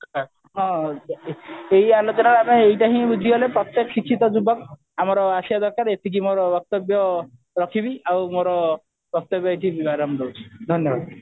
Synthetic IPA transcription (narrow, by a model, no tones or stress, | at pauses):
ɦɔ̃ | eɦialot͡ʃɔnaɾameejʈaɦĩbud͡ʒʱiɡɔlepɾɔt̪jeksikʰːit̪ɔd͡ʒubɔk | amɔɾɔasiad̪ɔɾkaɾet̪ʰik̬imoɾɔbɔk̚t̪ɔbjɔ | ɾɔkʰibiawmoɾɔ | bɔk̚t̪ɔbjɔejt̪ʰibibaɾɔmɾout͡ʃʰi̥d̪ʱɔnjɔbad̪